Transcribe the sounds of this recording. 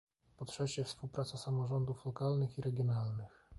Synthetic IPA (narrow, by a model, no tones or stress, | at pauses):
pɔtʂɛt͡ɕɛfspuwpɾat̪sasamɔʐɔnd̪uflɔkalnɘxiɾʔɛɡʲjɔnalnɘx